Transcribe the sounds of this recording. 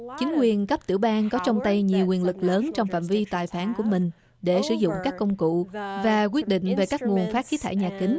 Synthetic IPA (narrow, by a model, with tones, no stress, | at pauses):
t͡ɕï˨˦ŋ̟kwi˨˩ənkə˦˥p̚t̪ɨ̰˧˩əwɓaː˧nkɔ˨˦t͡ɕɔ˧wŋ͡mt̪ə˧jɲi˨˩əwkwi˨˩ənlɨ˨˩k̚ləː˨˦nt͡ɕɔ˧wŋ͡mfa̰ː˧˨mvi˧t̪aː˨˩jfaː˨˦nku˧˩əmï˨˩ŋ̟ | ɗe˧˩sɨ̰˧˩zʊ̰˧˨ŋ͡mkaː˦˥kːə˧wŋ͡mkṵ˧˨vaː˨˩k̬wi˦˥ət̚ɗḭ̈˧˨ŋ̟ve˨˩kaː˦˥k̚ŋu˨˩ənfaː˦˥t̚xi˨˦t̪ʰaː˧˩jɲaː˨˩kï˨˦ŋ̟